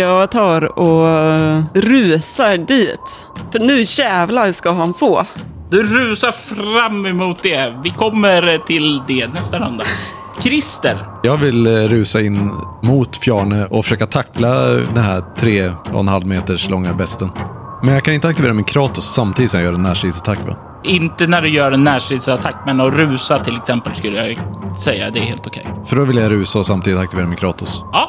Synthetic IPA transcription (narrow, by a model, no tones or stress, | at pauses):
jɑɡt̪ʰɑːɾɔ | ɾʉ̟ːsaɖiːt̪ | fœɳʉ̟ːɕɛːvlaskaɦanfoː | d̪̥ɵɾʉ̟ːsaɾfɾamːɛmuːt̪̚d̪ɛvɪkʰɔmːəɾt̪ʰɪld̪ɛnɛst̪ana̰nd̪a | kʰɾɪst̪əɾjɑːɡvɪlɾʉ̟ːsaɪnːmʊːt̪fjæːɳəʔɔfœ̥ʂøːkat̪ʰakːlad̪ɛnhæt̪ʰɾeːɔ̰ɛ̰nhalmeːt̪əʂlɔŋːabɛst̪ən | mɛnjɑkʰanɪnt̪əak̚t̪ɪveːɾamɪnkʰɾɑːt̪ɵsːamt̪ʰid̪ɪsɔmjajœːɾɛnːæːʂid̪sat̪ʰakːmɛ̰nː | ʔɪnt̪ənæɖɵjœːɾɛnːæːʂid̪sat̪ʰakːmɛnːɔɾʉ̟ːsat̪ʰɪlɛksɛmpəlskɵlːəjasɛjːa̰d̪ɛæɾheːlt̪ʊkʰɛ̰jfœɖɔvɪljaɾʉ̟ːsaɔsamt̪iːd̪ɪt̪ak̚t̪ɪveːɾamɪnkʰɾɑːt̪ʊsɑː